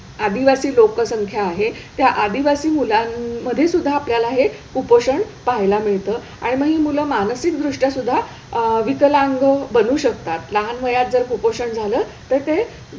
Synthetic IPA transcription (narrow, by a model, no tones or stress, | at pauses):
ad̪iʋasiːlokəsəŋkʰjaːɦet̪jaʔad̪iʋasiːmulanməd̪ʱjesud̪ʱːaːpljalaɦekupoɕəɳ | paɦjlamiɭt̪əː | a̰ɽ̃iməɡɦiːmuləmanəsik̪d̪ɾuʂʈjasud̪ʱːa | ʋikəlaŋɡəbənuːɕəkt̪at̪ləɦanməjat̪̚d͡zəɾkupoɕəɳd͡zʱaləːt̪əɾt̪e